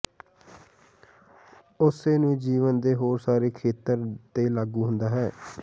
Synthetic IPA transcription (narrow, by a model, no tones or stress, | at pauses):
ʊseːnũːd͡ʒiːʋənd̪eːɦoːɾsaːɾeːkʰeːt̪əɾt̪eːlaːɡũːɦʊnd̪aːɦɛː